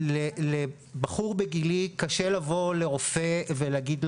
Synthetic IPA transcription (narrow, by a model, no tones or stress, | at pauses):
lele | baχuʁbeɡilikaʃelavo̞le̞ʁo̞feveleaɡid̪l